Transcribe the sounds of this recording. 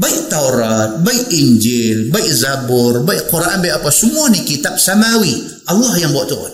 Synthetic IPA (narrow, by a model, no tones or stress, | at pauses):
baik̚t̪awɾat̪̚bajʔind͡ʒilbajʔzabuɾbajʔkuɾaʔanbeapasumuanikit̪ap̚samawi | alːahjaŋboʔt̪oʔo̰n